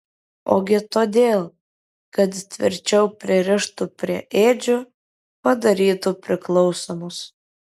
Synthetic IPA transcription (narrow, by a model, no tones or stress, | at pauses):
o̰ːɡʲɪt̪oːd̪ʲeːlˠ | kɐt̪t̪ʲʋʲɪ̰ɾʲt͡ʃʲɛʊpʲɾʲɪɾʲɪʃt̪ʊpʲɾʲiɛʔeːd͡ʒʲʊ | pɐd̪ɐɾʲiːt̪ʊpʲɾʲɪklˠɒʊsoːmʊs